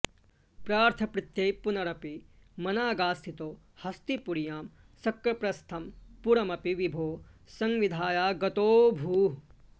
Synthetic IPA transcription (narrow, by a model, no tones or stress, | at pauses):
pɾaːɾt̪ʰɐpɾɪt̪jejpunɐɾɐpi | mɐnaːɡaːst̪ʰit̪oː | hɐst̪ipuɾjaːm | sɐkɾɐpɾɐst̪ʰɐmpuɾɐmɐpiʋibʱoːsɐŋʋid̪ʱaːjaːɡɐt̪oːbʱuːɦ